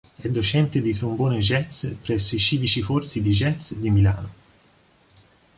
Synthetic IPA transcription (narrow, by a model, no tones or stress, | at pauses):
ɛd̪ːot͡ʃɛnt̪ed̪it̪ɾumboːned͡ʒɛt̪spɾɛsːoit͡ʃiːvit͡ʃiforsid̪id͡ʒɛt̪sd̪imila̰ːno